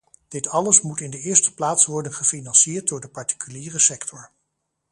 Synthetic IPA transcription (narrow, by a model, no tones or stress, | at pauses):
d̥ɪtɑləsmutɪndəɪːɹstə̥plaːtsʋɔɹdənχəfinɑnsɪːɹt̚dʊːɹdəpɑɹti̥kyliːrəsɛktʰɔɹ